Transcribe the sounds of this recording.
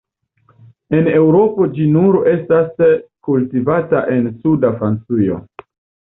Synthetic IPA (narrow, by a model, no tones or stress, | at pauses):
e̞ne̞wɾo̞po̞d͡ʒinuɾe̞staskultivataʔe̞nsudafɾant͡sujo̞̰